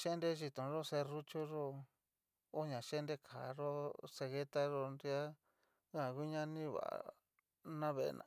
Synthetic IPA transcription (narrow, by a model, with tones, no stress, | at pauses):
ʃe˦nde˧˦ʒi˧t̪õ˨ʐo˦se˧ru˦t͡ʃo˦ʐo˧ | o˦ɲã˨ʃe˦nde˧kʰa˨ʐo˦se˧ɣe˦t̪a˦ʐo˧nɾi˧a˦ | ã˨ɣu˦ɲã˦nĩ˦βa̰˨a̰˨ | nã˦βe˧ḛ˧nã̰˨